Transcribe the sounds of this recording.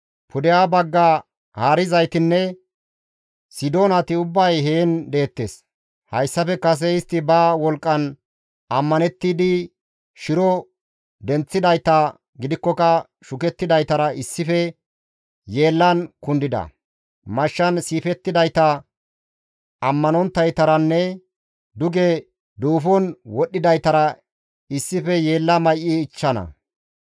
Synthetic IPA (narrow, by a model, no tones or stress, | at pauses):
pʰʊd̪ɛjaːbɐɡːa | haːɾɪzɐjt̪ɪnːɛ | sɪd̪o̞ːnɐt̪ɪʊbːɐjɦe̞ːnd̪e̞ːt̪ːes | hɐjsːɐfɛkɐs̬ɛɪst̪ːɪbɐwɔlkʼːɐn | ɐmːɐnɛt̪ːiːd̪ɪ | ʃɪɾɔ | d̪ɛnt͡sːɪd̪ɐjt̪ɐ | ɡɪd̪ɪkːɔkɐ | ʃʊkɛt̪ːɪd̪ɐjt̪ɐɾɐɪsːɪfɛ | je̞ːlːɐnkʊnd̪ɪd̪ɐ̰ | mɐʃːɐnsiːfɛt̪ːɪd̪ɐjt̪ɐ | ɐmːɐnɔnt̪ːɐjt̪ɐɾɐnːɛ | d̪ʊɡɛ | d̪uːfɔnwɔɗːɪd̪ɐjt̪ɐɾɐ | ɪsːɪfɛjeːlːɐmɐjʔiːt͡ʃːɐnɐ̰